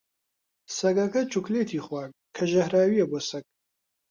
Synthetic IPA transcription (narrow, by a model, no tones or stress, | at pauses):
sɐɡɐkɐt͡ʃʰukʰleːt̪ʰiːχwaːk̚kʰɐʒɐhɾaːwijɐbɔsɐk̚